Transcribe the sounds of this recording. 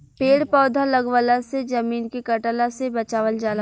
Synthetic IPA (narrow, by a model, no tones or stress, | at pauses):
peːɽpɔːd̪ʱalɐɡʋəlased͡ʒɐmiːnkekɐʈəlasebɐt͡ʃaːʋəld͡ʒaːl